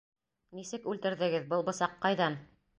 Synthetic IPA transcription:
nisɘkʉlt̪ɘ̆ɾðɘ̆ɡɘðbɤlˠbɤ̆sɑqːɑjðɑn

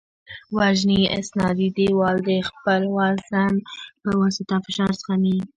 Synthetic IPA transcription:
waʒnia̰snɑd̪id̪ewɑld̪əxpəlwɑlzanpəwɑsɪt̪afɪʃɑɾsə̥xami

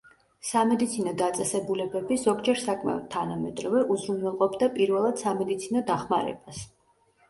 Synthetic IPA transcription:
samɛd̪it̪sʰinɔd̪at̪sʼɛsɛbulɛbɛbizɔɡd͡ʒɛɾsakʰmɛ̰ɔd̪̚t̪ʰːanamɛt̪ʼɾavɛʔuzɾunɛlˠqʼɔbd̪apʼiɾvɛlˠad̪̥samɛd̪it̪sʰinɔd̪aχmaɾɛ̰b̥as

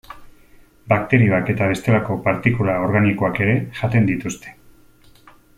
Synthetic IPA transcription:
bak̚t̪e̞ɾio̞ake̞t̪aβ̞e̞st̪e̞lako̞paɾt̪ikulao̞ɾɣaniko̞ake̞ɾe̞ʝat̪e̞nd̪it̪ust̪e̞̥

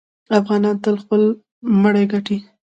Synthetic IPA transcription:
afɣɑnɑnt̪əlxpəl | məɽajɡaʈi

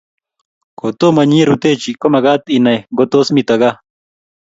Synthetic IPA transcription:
kot̪omɐɲiɾut̪et͡ʃikomɐɡaːt̪inɐjɡot̪osmit̪ɐɡa

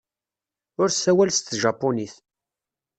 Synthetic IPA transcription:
ʊɾsæwælst̪ʒɑpːoniθ

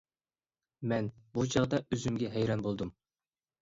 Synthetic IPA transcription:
mɛnbut͡ʃʰɑʁd̪ɑʔøzymɡʲɛɦɛjɾɑnbolˠd̪um

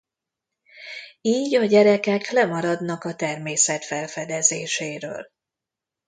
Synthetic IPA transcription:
iːɟɒɟɛɾɛkɛklɛmɒɾɒd̪nɒkɒt̪ɛrmeːsɛt̪fɛlfɛd̪ɛzeːʃeːɾø̰ːl

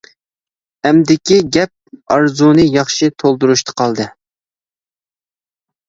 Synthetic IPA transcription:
ɛmd̪ɪkʲiɡʲɛp̚ɑɾzunɨjɑχʃit̪ʰolˠd̪uɾuʃt̪ʰə̥qʰɑlˠd̪ɨ

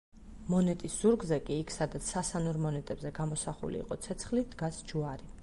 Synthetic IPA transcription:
mɔnɛt̪ʼisz̥uɾɡzɛkʼiːkʰsad̪at̪sʰsasanuɾmɔnɛt̪ʼɛbzɛɡamɔsaχṵlḭːqʼɔt̪sʰɛt̪sʰχlid̪ɡasd͡ʒuaɾi

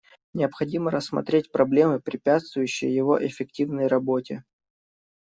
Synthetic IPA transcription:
nʲɪəpxɐdʲiməɾəsːmɐ̰t̪ɾʲet̚ʲpɾɐblʲemɨpɾʲɪpʲat̪st̪vʊjʉɕːɪ̰jəjɪvo̞̰ʔɪfʲɪk̚tʲivnəjrɐbotʲɪ

